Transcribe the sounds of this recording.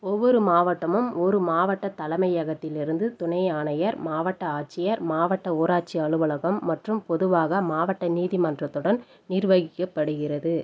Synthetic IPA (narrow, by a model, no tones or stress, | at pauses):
ɔʋːɔɾɯmaːʋɐʈːɐmɯmɔɾɯmaːʋɐʈːɐt̪ːɐlɐmɐɪɐɣɐt̪ːɪlɪɾɯnd̪ɯt̪ʊɳɐɪaːɳɐjɐɾmaːʋɐʈːɐaːt͡ʃɪjɐɾmaːʋɐʈːɐoːɾaːʈ̚t͡ʃiɐɭɯʋɐɭɐɣɐmːɐʈrɯmpɔðɯʋaːɣɐmaːʋɐʈːɐniːðimɐndrɐt̪ːɯɽɐn | nɪɾʋɐɣɪkːɐpːɐɽɯɣɪrɐðɯ